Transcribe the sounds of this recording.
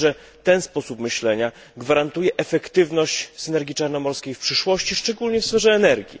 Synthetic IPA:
ʐɛ | t̪ɛnspɔsupmɘɕlɛɲa | ɡvaɾant̪ujɛʔɛfɛkt̪ɘvnɔɕt͡ɕsɘnɛɾɡʲit͡ʂaɾnɔmɔɾskʲejfpʂɘʂwɔɕt͡ɕiʂt͡ʂɛɡulɲɛfsfɛʐɛːnɛɾɡʲḭ

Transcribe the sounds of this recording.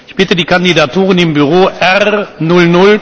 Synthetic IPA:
ɪçb̥ɪtədiːkandidatuːʁənɪmbyʁ̞oːʔɛʁnʊlnʊl

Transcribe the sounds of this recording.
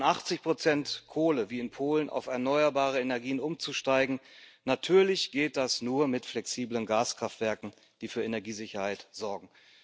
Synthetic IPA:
nʔaχt͡sɪçpʁ̥ot͡sɛntkʰoːləviːɪnpʰoːlənʔa̰ʊfɛɐnɔʏɐbaːʁ̞əenɛɐɡiːənʊmt͡suʃtaɪɡŋ̩natʰyːɐlɪçɡ̥eːt̚d̥asnuːɐmɪtflɛksiːblənɡaːskʁ̥aftv̥ɛɐkŋ̩ | d̥iːfyːɐʔenɛɐɡiːzɪçɐhaɪtz̥ɔɐɡŋ̩

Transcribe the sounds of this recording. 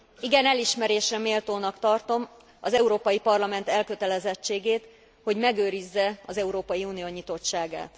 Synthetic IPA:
iɡɛnɛliʃmɛɾeːʃɛmeːlt̪oːnɒkt̪ɒrt̪o̞m | ɒzɛuɾoːpɒjipɒrlɒmɛnt̪ɛlkøt̪ɛlɛzɛt͡ʃːeːɡeːt̪ | ho̞ɟmɛɡøːɾizːɛɒzɛuɾoːpɒjiuːnijoːɲit̪o̞t͡ʃːaːɡa̰ːt̪

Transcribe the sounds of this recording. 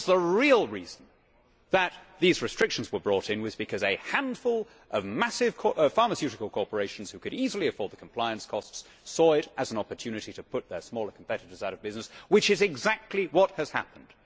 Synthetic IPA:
ðəɹilˠɹizn̩ | ðət̪̚ðizɹɨstɹ̥ɪkʃn̩zwə˞bɹɔˑɾɪ̃nwɨzbɨkʰʌzɨhæ̃nd̥fʊlˠ | ʔʌvmæsɪv̥kʰɔfɑɹməsjʉɾɨkəl̩ˠkʰɔɹpə˞eɪʃn̩z̥hʉkɨɾizl̩ˠiɨfɔːd̪̚ðəkʰm̩pʰl̥aɪɨ̃nskʰɔsts | ɔɪɾʔɨzn̩ɑpə˞tʰʉnɨɾiɾɨpʰʊt̪̚ðə˞smɔlˠə˞kʰm̩pʰɛɾɨɾə˞zaʊɾʌvbɪznɨswɨt͡ʃɨzɨɡzæk̚tʰˡliwʌt̚hɨz̥hæ̰pə̃n̩d̥

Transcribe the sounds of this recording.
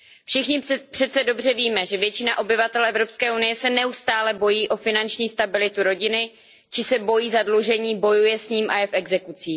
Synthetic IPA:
fʃɪxɲɪpr̥ɛt̪t͡sɛdo̞br̝ɛviːmɛʒɛvjɛt͡ʃɪnaʔo̞bɪvat̪ɛlʔɛvɾo̞pskɛːʔunɪjɛsɛnɛust̪aːlɛbo̞jiːʔo̞fɪnant͡ʃɲiːst̪abɪlɪt̪uɾo̞ɟɪnɪ | t͡ʃɪsɛbo̞jiːzadluʒɛɲiːbo̞jujɛsɲiːmʔajɛfʔɛɡzɛkut͡siː

